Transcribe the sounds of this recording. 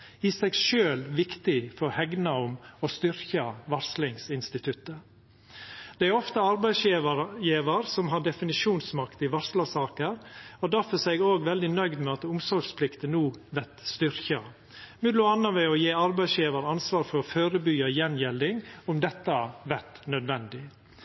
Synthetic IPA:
ɪsɛɡʃøːlʋɪkt̪ɪfɔhɛɡnɑʊmɔst̪ʏɾçɑʋɑɾslɪŋsɪnst̪ɪt̪ʰʉt̪ːə | d̪̥ɛæɾɔft̪əɑɾbæɪsjiːʋɑɾjiːʋəɾsɔmɦɑɖɛfɪnɪʃuːnsmɑkt̪ɪʋɑɾslɑsɑːkəɾɔd̪æɾfɔsɛɡoːɡʋɛld̪ɪnœʏd̪mɛɑt̪ʊmsɔɾɡspʰlɪkt̪ənuːʋɛt̪st̪ʏɾçɑ | mʉd̪lʊɑnːɑʋɛɔjeːɑɾbæɪsjiːʋɑɾɑnsʋɑːɾfɔɾɔføːɾəbyɑjɛnjɛld̪ɪŋʊmd̪ɛt̪ːɑʋɛɾt̪nœd̪ʋɛnd̪ɪ

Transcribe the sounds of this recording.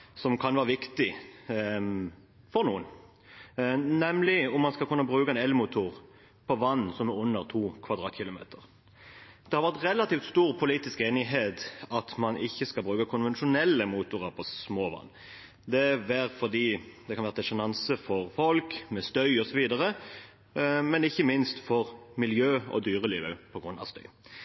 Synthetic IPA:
sɔmkʰɑnʋæːʁəʋɪkt̪ɪ | fɔɾnuːən | nɛmlɪʊmːɑnskɑlkʉnːəbʁʉːkəɛnɛlmʊt̪ʰuːʁ | pʰɔʋɑnːsɔmɛʉnːəʁt̪ʰuːkʰʋɑʁd̪ʁɑːt̪çɪlʊmḛːt̪ʰəʁ | d̪̥ɛhɑɾʋæʁt̪ʁɛlːɑt̪iːft̪st̪uːʁpʰʊliːt̪ɪskeːnɪɦeːt̪ɑt̪mɑnɪçːəskɑlbʁʉːkəkʰʊnʋɛnʃʊnɛlːəmuːt̪ʊʁəʁpʰɔsmoːʋɑ̰nː | d̪ɛʋæːɾfɔʁd̪iːd̪ɛkʰɑnæːʁəd̪ɛsʊnɑnsəfɔʁfɔlkmɛst̪œʏɔsɔʋiːd̪əʁə | mɛnɪçːəmɪnst̪fɔʁmɪljøːɔ̰d̪yːʁəliːʋə̰pʰɔɡɾʉnːɑ̰ʋst̪œ̰ʏ

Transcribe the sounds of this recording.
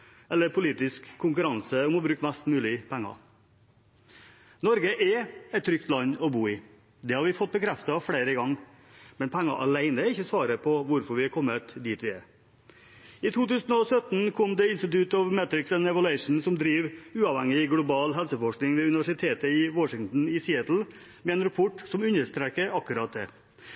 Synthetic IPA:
ʔɛlːəɾpʰʊliːt̪ɪskʰːʊŋkʉɾɑnsəʊmɔbɾʉːkmæst̪mʉːlɪpʰæŋːɑ̰ | nɔɾɡəʔɛɛt̪ːʰɾʏk̚t̪lɑɲːɔbuːɪ | d̪ɛhɑɾʋɪfɔt̪̚ːbəkʰɾɛft̪ɑfɽeːɾəɡɑŋː | mɛnpʰæŋːɑ̰ʔɑ̰læɪnəɪçːəsʋɑːɾəpʰɔʋʊɾfɔɾʋɪɑkʰɔmːət̪d̪iːt̪ʋɪɛ̰ | ɪt̪ʰuːt̪ʉːsn̩ɔsœt̪n̩kʰɔmd̪ɛɪnst̪ɪt̪ʉt̪ɔʋmæt̪ɾɪksɛnɛʋəlʉɛɪʂɳ̩sɔmd̪ɾiːʋʉːɑʋhɛŋɪɡlʊbɑːlɦɛlsəfɔʂknɪŋʋɛʉnɪʋæʂɪt̪ʰeːt̪əɪwɔʂɪŋt̪n̩ɪsiət̪l̩ | mɛɛːnɾɑpʰɔʈsɔmʉnːəʂt̪ɾeːkəɾɑkːʉɾɑːt̪̚d̪ɛ̰

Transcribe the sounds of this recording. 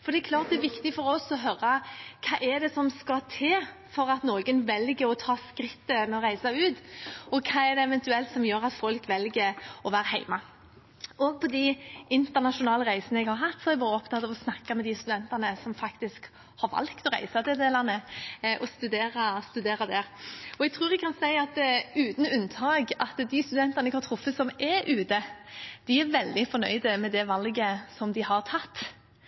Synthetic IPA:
fɔɾɖ̪ɛɛkʰlɑːɾt̪̚d̪ɛɾʋɪkt̪ɪfɔɾɔsɔɦœɾːɑkʰɑːʔɛɖ̪ɛsɔmskɑt̪ʰeː | fɔɾɑt̪noːɡənʋɛlɡəɾɔt̪ʰɑːskɾɪt̪ːəmɛɔɾæɪsɑʉːt̪ɔkʰɑːɛd̪ɛɛʋɛnt̪ʉɛlt̪sɔmjøːɾɑt̪fɔlkʋɛlɡəɔʋæːɾɦæɪmɑ | ɔɡ̚pʰɔd̪ɪɪnt̪ənɑʃʊnɑːləɾæɪsənəɛɡhɑɾɦɑt̪ːsɔɛɾɛɡbɑːɾəɔpt̪ʰɑt̪ɑʋɔsnɑkːɑmɛd̪ɪst̪ʉd̪ɛnt̪ɑnəsɔmfɑkt̪ɪsk | hɑɾʋɑ̰lkt̪ɔɾæ̰ɪsɑd̪ɛd̪eːlɑnəʔɔst̪ʉd̪eːɾɑst̪ʉd̪eːɾɑd̪æɾɔɛɡ̚t̪ʰɾʉːɾɛɡ̚kʰɑnsæɪɑt̪ʉːt̪n̩ʉnːt̪ʰɑːɡɑt̪d̪ɪst̪ʉd̪ɛnt̪ɑnɛɡhɑɾt̪ʰɾʊfːəsɔmɛʔʉːd̪əd̪̥ɪæʋɛld̪ɪfɔɾnœ̰ʏd̪əmɛd̪ɛʋɑlɡəsɔmd̪ɪhɑʁt̪ʰɑt̪ː

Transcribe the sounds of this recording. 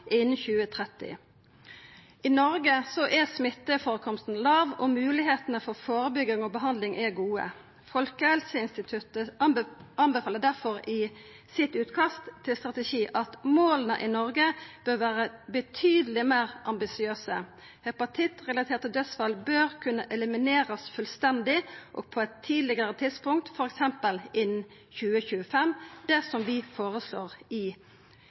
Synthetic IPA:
ʔɪnn̩çʉːət̪ʰʁɛt̪ɪ̰ | ɪnɔɾɡəsɔʔɛsmɪt̪ːəfoːʁəkʰɔmst̪n̩lɑːʋɔmʉːlɪɦeːt̪ənəfɔʁfoːɾəbʏɡɪŋɔbəɦɑnd̪lɪŋʔɛɡuːə̰ | fɔlkəhɛlsəɪnst̪ɪt̪ʰʉt̪ə | ɑnbəfɑːləd̪æʁfɔʁɪ | sɪt̪ʉːt̪kʰɑst̪t̪ʰːɪlst̪ʁɑt̪əʃiːʔɑt̪moːlənəʔɪnɔʁɡəb̥øːɾʋæːʁəbət̪ʰyːd̪əlɪmeːʁʔɑmbɪsɪøːsə | hɛpɑt̪ʰɪt̪ʁɛlɑt̪ʰeːʁt̪əd̪œsfɑlbøːɾkʰʉnːəʔɛləmɪneːɾəsfʉlst̪ɛnd̪ɪʔɔ̰ːɡ̥̚pʰɔɛt̪ʰːiːd̪lɪɡəɾət̪ʰɪd̪spʊŋk̚t̪fɔɾɛksɛmpəlɪn | çʉːəçʉːəfɛmːd̪ɛsɔmʋɪfoːɾəslo̰ːʁɪ

